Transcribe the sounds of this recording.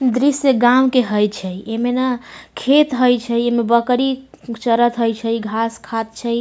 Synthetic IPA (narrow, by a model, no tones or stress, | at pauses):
d̪ɾisjəɡamkeɦəjt͡ʃʰəjemenakʰet̪ɦəjt͡ʃʰəemebəkɾit͡ʃəɾət̪ɦəjt͡ʃʰəjɡʱaskʰat̪̚t͡ʃʰəj